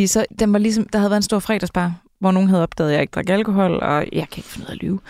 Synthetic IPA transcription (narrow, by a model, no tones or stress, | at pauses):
isɒ̽d̥enʋɑ̈lis̬ɒ̽md̥ɑ̈hæð̩ˠæɐðenso̝ɐ̰fʁɛ̰ːd̥æsb̥ɑ̈ː | ʋɒ̰no̝ːn̩ɦæð̞̩ˠɒb̥ɛ̰ːð̞̩ˠjɑ̈e̝ɡ̥̚d̥ʁɑ̈ɡ̥ælkʰo̝ɦɒ̽l̰ɒ̰jɑ̈ɪkʰæe̝ɡ̥fnuð̰ˠælʔy̰ːʊ